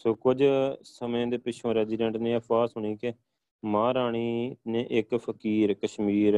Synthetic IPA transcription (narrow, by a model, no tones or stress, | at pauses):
soːkʊd͡ʒsəmẽːd̪eːpɪʃʰõːɾɛːziːɖɛ̃ːɳʈnẽːəfaːsɦʊɳ̃iːke | mãːɾaːɳ̃iːnẽːʔɪkpʰəkiːɾkəʃmiːɾ